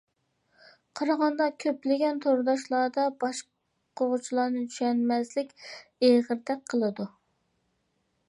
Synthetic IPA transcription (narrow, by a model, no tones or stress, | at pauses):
qʰɑɾɑʁɑnd̪ɑkʲʰøplɪɡʲɛnt̪ʰoɾd̪ɑʃlˠɑːd̪ɑbɑʃ | qʰoʁʊt͡ʃʰilˠɑːnɨt͡ʃʰy̥ʃɛnmɛzlɪkʲeʁəɾd̪ɛk̚ʲqʰːəlˠɨd̪u